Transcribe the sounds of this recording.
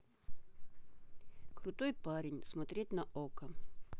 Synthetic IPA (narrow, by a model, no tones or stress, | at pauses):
kɾʊt̪ojpaɾʲɪnʲsmɐt̪ɾʲet̚ʲnɐʔokə